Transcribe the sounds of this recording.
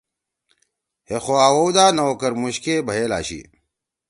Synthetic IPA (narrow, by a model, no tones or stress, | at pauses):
hexoaːwoːwd̪aːnɐokɐɾmuɕkebʱɐɦeːla̰ːɕḭː